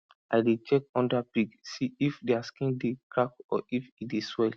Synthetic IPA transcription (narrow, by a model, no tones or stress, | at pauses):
ʔadet͡ʃɛk̚ɔ̃ndapiɡsiifdeaskĩndekɹakɔ̰ʔifideswɛl